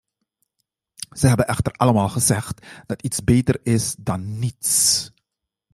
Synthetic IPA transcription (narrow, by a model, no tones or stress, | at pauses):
z̥əɦɛbənʔɛxtərɑləmaːlˠχəzɛχtd̥ɑtitsbeːtərɪsdɑnːits